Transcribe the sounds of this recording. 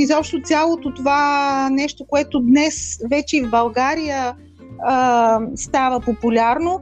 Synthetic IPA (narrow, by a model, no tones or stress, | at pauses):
izɔpʃt̪ot̪sʲalˠot̪ot̪ovanɛʃt̪okoɛt̪od̪nɛsvɛt͡ʃɛivbɐlˠɡaɾijə | əst̪avəpopʊlʲaɾno